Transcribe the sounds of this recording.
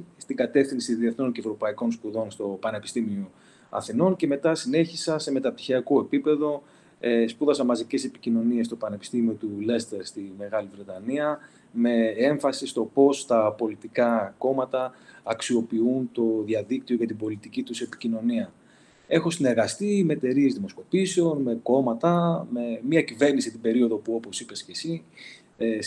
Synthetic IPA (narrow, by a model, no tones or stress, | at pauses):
st̪iɡɐt̪e̞fθinsiðie̞θno̞nce̞vɾo̞pɐiko̞nspuðo̞nst̪o̞pɐne̞pi̥st̪imio̞ | ɐ̰θino̞nce̞me̞t̪ɐsine̞çisɐse̞me̞t̪ɐpt̪i̥çiɐko̞e̞pipe̞ðo̞ | espuðɐsɐnmɐzice̞se̞pi̥cino̞niest̪o̞pɐne̞pi̥st̪imio̞t̪ule̞st̪eɾst̪ime̞ɣɐlivɾe̞t̪ɐniɐ | me̞e̞ɱfɐsist̪o̞po̞st̪ɐpo̞lit̪ikɐko̞mɐt̪ɐːksio̞piunt̪o̞ðjɐðik̚t̪io̞ʝɐt̪ibo̞lit̪icit̪usepi̥cino̞niɐ | e̞xo̞sine̞ɾɣɐst̪imet̪e̞ɾie̞zðimo̞sko̞piseo̞nme̞ko̞mɐt̪ɐme̞miɐcive̞ɾnisit̪ibe̞ɾio̞ðo̞puo̞po̞sipe̞scesi | e